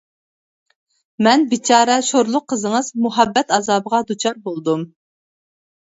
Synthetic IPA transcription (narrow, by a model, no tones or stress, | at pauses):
mɛnbit͡ʃʰɑːɾɛʃoɾlˠʊqʰːəzəŋɨzmuɦɑbːɛt̪ɑzɑːbəʁɑd̪ut͡ʃʰɑɾbolˠd̪um